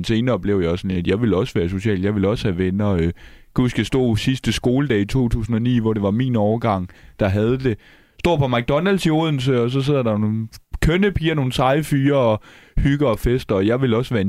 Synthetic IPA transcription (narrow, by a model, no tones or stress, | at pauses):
nse̝ːnɐb̥le̝ʊjɑsɒ̽næd̥jɑ̈ɪʋe̝lɒ̽sʋæːɐso̝ɕɛ̰ːld̥jɑ̈ɪʋe̝lɒ̽shæʋenɐø | ɡ̥usɡ̥æsd̥ɔ̰ːsisd̥əsɡ̥o̝ːləd̥ɛːit͡sʰo̝̰ːt͡sʰṵːsn̩ɒ̽nḭːʋɒɾ̥e̝ʋɑ̈mḭːnɒːɐɡ̥ɑ̈ŋ̰d̥ɑ̈ɦæð̞ˠəd̥e̝ | sd̥o̝̰ːpʰɒ̽mæɡ̥̚d̥ɒ̽nælsio̝ð̞̰ˠn̩s̬əɒ̽s̬ɒ̽s̬e̝ð̰ˠɐd̥ɑnoːnkʰønəpʰiːɐno̝ːn̩sɑ̈ɪfyːɐɒ̽hyɡ̥ɐ̽ːfesd̥ɐɒjɑ̈ɪʋe̝lɒ̽sʋæːɐ